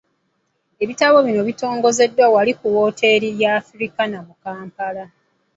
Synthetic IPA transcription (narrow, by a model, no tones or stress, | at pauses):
e̞βitaβo̞βino̞βito̞ːŋɡo̞ze̞dːwawalikuwo̞ːtʰe̞ɾijaːfɾikanamukaːmpala